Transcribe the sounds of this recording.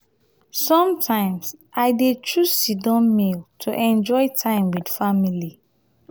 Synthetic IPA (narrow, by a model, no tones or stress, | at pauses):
sɔ̃mtʰãɪ̃msʔaɪdetʰɹusidɔ̃nmiltʰuʔɛ̃nd͡ʒɔɪtʰãɪ̃mwidfamili